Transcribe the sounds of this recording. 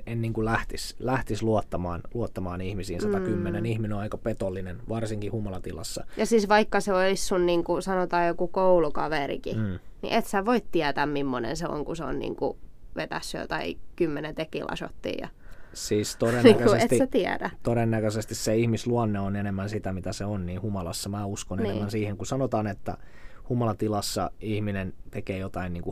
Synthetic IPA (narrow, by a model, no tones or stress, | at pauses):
enniːŋkulæht̪islæht̪isluot̪ːɑmɑ̰ːnluot̪ːɑmɑːnihmisiːnsɑt̪ɑkymːenenihmineoɑikɑpet̪olːinenʋɑrsiŋkihumolɑt̪ilɑ̰sːɑ̰jɑsiːsʋɑikːɑseolissunniːŋkusɑnot̪ɑːjjokukoulukɑʋerḭkiːnḭʔet̪sæʋoit̪t̪iæt̪æmmimːonḛnseo̰ŋkuseo̰nnḭːŋkṵ | ʋet̪æsːy̰ːt̪ɑikymːenent̪ekḭlʔɑ̰so̰t̪ːḭːjɑ̰ | siːst̪oɾennːæŋkøsesett̪sæt̪iædæt̪oɾenːækøsest̪isseihmisluɑnːeonenemːænsit̪æmit̪æseonniːhumɑlɑsːɑmæːuskonennemːænsiːheŋkusɑnot̪ɑːnet̪ːæ̰ | humɑlɑt̪ilɑsːɑ̰ihminent̪ekeːjot̪ɑinniːŋku